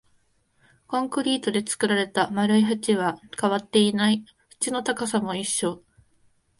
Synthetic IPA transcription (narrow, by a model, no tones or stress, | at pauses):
kõ̞ŋkɯ̟ɾʲiːt̪o̞d̪e̞t͡sɨ̥kɯ̟ɾaɾe̞t̪amaɾɯ̟iɦat͡ɕiβakaβat̪ːe̞inai | ɸɯ̟̥t͡ɕino̞t̪akasamo̞iɕːo̞